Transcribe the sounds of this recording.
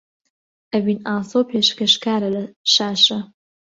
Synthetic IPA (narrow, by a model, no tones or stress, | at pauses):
ʔɐwinaːsoːpʰeːʃkɐʃkaːɾɐlɐʃaːʃɐ